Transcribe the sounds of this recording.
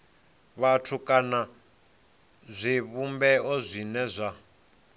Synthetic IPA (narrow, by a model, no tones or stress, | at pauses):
βatʰukʼana | zʷiβumbɛɔzʷinɛzʷa